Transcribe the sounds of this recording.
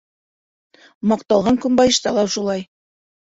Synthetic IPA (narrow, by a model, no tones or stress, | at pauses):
mɑqt̪ɑlˠʁɑŋkʉmbɑjɤ̆ʃt̪ɑlˠɑwʃulˠɑj